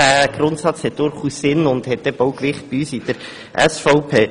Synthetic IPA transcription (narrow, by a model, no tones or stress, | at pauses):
æːɡ̥rʊntsɑt͡shɛt̚d̥ʊɾχuːsːɪnʊndhɛt̚d̥ɛboʊkʋɪχt̚b̥iyːsid̥əɾ | ʔɛsfɑʊpʰeː